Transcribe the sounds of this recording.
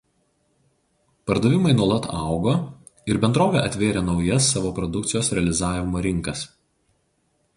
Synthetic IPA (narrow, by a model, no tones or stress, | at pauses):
pɐɾd̪oːʋʲɪmɐɪnuɔlˠɐt̪ɑˑʊɡoː | ɪɾbʲɛnd̪ɾoːʋʲɛːˑʔɐt̪ʲʋʲeːɾʲeːnɒʊjɐsːɑːʋoːpɾɔd̪ʊk̚t̪sʲɪjoːsɾʲɛɐlʲɪzɑːʋʲɪmoːɾʲɪŋˑkɐs